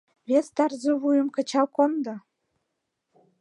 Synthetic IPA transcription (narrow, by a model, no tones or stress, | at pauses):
βest̪ɑrzəβujə̆mkə̆t͡ɕɑwkond̪ɤ̆